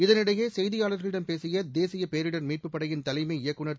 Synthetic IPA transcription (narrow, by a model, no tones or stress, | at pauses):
ɪðɐnɪɽɐjeːsɛjðɪjaːlɐɾɣɐɭɪɽɐmpeːsɪjɐd̪eːsɪjɐpeːɾɪɽɐnmiːʈ̚pɯpːɐɽɐjɪnt̪ɐlɐɪmɐɪjɐkːɯɳɐ